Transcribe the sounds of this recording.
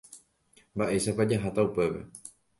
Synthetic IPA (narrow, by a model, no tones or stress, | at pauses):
mbaʔe̞ʃapad͡ʒaɦat̪aupe̞pe̞̰